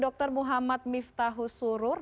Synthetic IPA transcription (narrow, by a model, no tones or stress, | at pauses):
dɔk̚t̪ɔrmuɦamat̪̚mift̪aɦusuɾʊr